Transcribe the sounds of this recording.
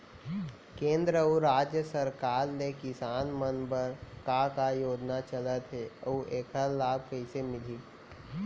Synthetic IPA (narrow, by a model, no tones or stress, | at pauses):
kẽːnd̪ɾəuɾaːd͡ʒjəsəɾkaːɾnekɪsaːnmənbəɾkãkajoːd͡ʒnat͡ʃələt̪ɦeoʔeːkʰəɾlaːb̚kəɪsemɪli